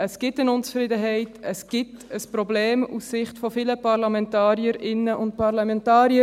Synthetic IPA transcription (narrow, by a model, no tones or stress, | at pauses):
əsɡ̥ɪtənʊnt͡sfɾɪdəɦɛɪtəsɡ̥ɪtəspɾɔbleːmṵssɪχtfɔfiləpɑɾlɑmɛntɑːɾjəɾɪnːəʔʊntpɑɾlɑmɛntɑːɾjə